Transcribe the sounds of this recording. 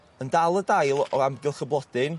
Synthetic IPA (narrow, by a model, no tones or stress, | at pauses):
əndalˠədajlˠɔamɡɪlˠχəblˠɔd̥ɨn